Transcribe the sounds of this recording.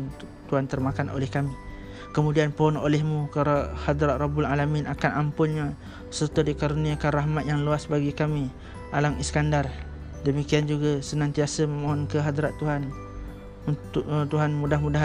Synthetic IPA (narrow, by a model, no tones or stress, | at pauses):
t̪uɦant̪ərmakanʔo̰lɛhkami | kəmũdianpɔno̰lɛhmũkəɾahad̪ɾaʔ̪̚rɔbʊlalaminʔakanampʊnɲa | sərt̪ədikaɾuniakanraɦmat̪̚jaŋluasbaɡikami | ʔalamiskandar | dəmikiand͡ʒuɡasənãnt̪iasəməmaɦɔnkəɦad̪ɾaʔt̪uɦan | unʊʔt̪uɦanmudahmudaɦ